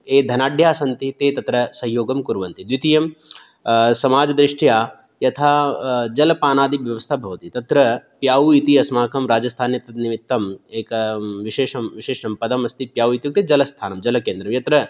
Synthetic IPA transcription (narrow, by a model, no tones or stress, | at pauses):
eːd̪ʱɐnaːɖʱjaːsɐnt̪it̪eːt̪ɐt̪ɾɐsɐɦjoːɡɐmkuɾʋɐnt̪id̪ʋit̪ijɐm | sɐmaːd͡ʒɐd̪ɾiʂʈjaː | jɐt̪ʰaːd͡ʒɐlɐpaːnaːd̪iʋjɐʋɐst̪ʰɐbʱɐʋɐt̪it̪ɐt̪ɾɐpjaːʋuit̪iɐsmaːkʰɐmɾaːd͡ʒɐst̪ʰaːnjɐt̪ɐt̪nimit̪ːɐmeːkɐʋiʃeːʂɐmʋiʃeːʂɐmpɐd̪ɐmɐst̪ʰipjaːʋwit̪jɐk̚t̪ed͡ʒɐlɐst̪ʰaːnɐmd͡ʒɐlɐkeːnd̪ɾɐmjɐt̪ɾɐ